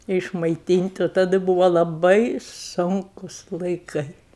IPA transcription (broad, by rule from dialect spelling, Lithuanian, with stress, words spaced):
ɪʃmɐɪˈtʲiːnʲtʲ oː tɐˈdɨ ˈbʊʋoː lˠɐˈbɐɪ ˈsʊŋkʊs lˠɐɪˈkɐɪ